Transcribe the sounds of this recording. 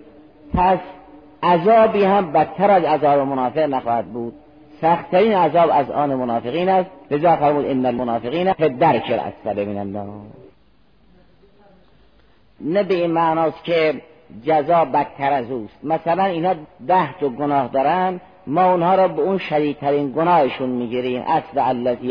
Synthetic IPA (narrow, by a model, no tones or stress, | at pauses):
pʰæs | ʔæzɒːbiːhæmbæt̪ʰːæɾæzæzɒːbemonɑːfeɣnæxɒːhæd̪̚buːd̪̥ | sæxt̪t̪ʰːæɾiːnæzɒːbæzʔɒːnemonɒːfeɣiːnæst̪lezɒːfæɾmuːd̪enːælmonɑːfeɣiːnæpʰed̪æɾt͡ʃʰeɾæ̰sːæɾemḭːnænd̪ɒ̰ː | næbeiːnmæʔnɒːskʰe | d͡ʒæzɒːbæt̪ʰːæɾæzuːst̪mæsælæniːnhɑːd̪æhd̪oɡonɒːhd̪ɒːɾænd̪ | mɒːunhɒːɾɒːbeunʃæd̪iːd̪̚t̪ʰæɾiːnɡonɒːheʃunmiːɡiːɾiːmʔæ̰sleælːæziː